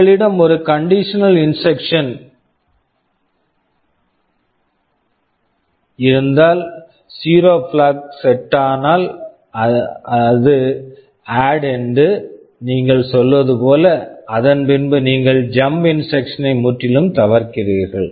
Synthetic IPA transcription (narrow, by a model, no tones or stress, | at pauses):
ɐɭɪɽɐmɔɾɯkɐɳɖɪʂɐnɐlɪnsɛkʂɐn | ɪɾɯnd̪aːl | siːɾoːflaːksɛʈːaːnaːl | ɐɐðɯ | aːɽɛndrɯ | niːŋɡɐɭsɔlːʋɐðɯpoːlɐɐðɐnpɪnbɯniːŋɡɐɭd͡ʒɐmbɪnsɛkʂɐnɐɪmʊʈːɪlɯmt̪ɐʋɐɾkɪriːɾɣɐɭ